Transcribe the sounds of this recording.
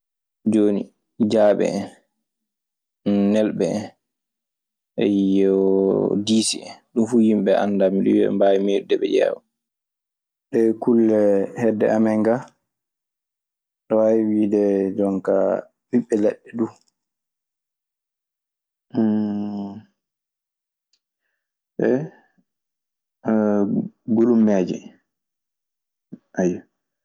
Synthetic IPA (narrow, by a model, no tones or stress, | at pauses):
d͡ʒoːni | d͡ʒaːɓɛ̰ | nɛlɓɛ | ʔɛjjɛwɔdisḭɗumfuhimɓɛʔa̰nːdamiɗṵwiɛ̰mbawimedudɛɓɛ̰jɛ̰ːwa | ɗɛkulːɛhɛdːɛ̰amɛŋɡa | ɗɔaiwiːdɛdɔŋka̰ | wiɓːɛlɛɓːɛdu | ɓɛ | ɡulumːɛːd͡ʒɛ̰ | ʔaja